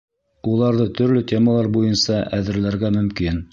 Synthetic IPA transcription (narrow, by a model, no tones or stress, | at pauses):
ulˠɑɾðɤt̪ɵ̆ɾlɵt̪ʲe̞məlˠɑɾbujɤnsɑʔæðɘ̆ɾlæɾɡæmɵ̆mkin